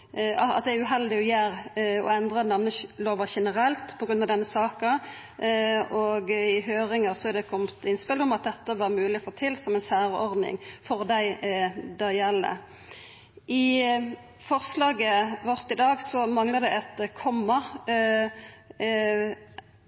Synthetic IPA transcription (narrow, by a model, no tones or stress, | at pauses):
ɑɑ̰t̪̚d̪æɪʉɦɛld̪ɪɔjæːʁɔ̰ɛnd̪ʁɑd̪ɛnɑʋnəloːʋəʃɛnəɾɛlt̪pʰɔɡɾʁʉnɑʋd̪ɛnːəsɑːkɑ | ɔɡɪɦøːʁɪŋɑsɔæɾd̪ɛkʰɔmt̪ɪnspɪld̪ɔmɑt̪̚d̪ɛt̪ːəʋɑʁmʉːlɪɔfoːt̪ʰɪlːsɔmɛnsæːɾɔʁd̪nɪ̰ŋfɔʁd̪æɪd̪æjɛlːə̰ | ʔɪ | fɔʁslɑːɡəʋɔʁt̪ɪd̪ɑːɡsɔmɑŋləd̪ɛɛt̪kʰɔmːɑ